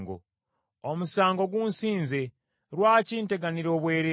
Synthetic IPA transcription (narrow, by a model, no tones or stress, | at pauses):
ɡo̰ | omusaːŋɡo̞ɡunsiːnze̞ | ɾwaːciːnte̞ɡaniɾo̞ːβwe̞ːɾe